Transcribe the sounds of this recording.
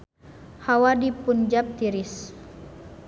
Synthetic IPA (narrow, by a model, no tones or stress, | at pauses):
hawadipund͡ʒap̚t̪iɾis